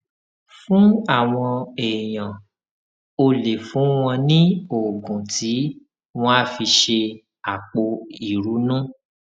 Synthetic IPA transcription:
fũ˨˦a˦˨w̃ɔ̃˧e˨jã˨ | o˧le˨fũ˨˦w̃ɔ̃˧nĩ˦o˨ɡũ˨tʰi˨˦ | w̃ɔ̃˧a˦fi˧ʃe˧ | a˨k͡po˧i˨ɾu˨˦nũ˦

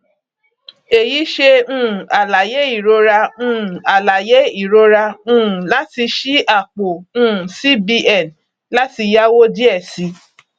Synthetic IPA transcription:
e˨ji˨˦ʃe˧ũ˦˨a˨la˨je˨˦i˦˨ɾo˧ɾa˧ũ˦˨a˨la˨je˨˦i˦˨ɾo˧˦ɾa˧ũ˦˨la˦ti˧ʃi˦a˦˨k͡po˨ũ˦˨si˦bi˧ɛ˦˨n | la˦ti˧ja˦wo˦di˦ɛ˦˨si˧˦

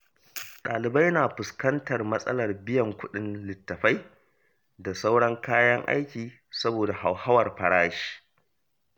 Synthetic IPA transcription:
ɗaː˨lɪ˨ba˦jnaː˨ɸʊ˨skɐ˦ntɐ˨rmɐ˦sʼɐ̰˦lɐ˨rbɪ˦jɐ˨ŋkʷʊ˦ɗɪ˦nlɪ˨tːɐ˨ɸa˦j | da˨sa˦wɽɐ˦ŋkaː˦jɐ˦ŋʔa̰˦jkʲiː˨ | sɐ˦boː˨da˨ha˨wha˦wɐ˨rɸɐ˨ɽaː˦ʃi̥ː˦

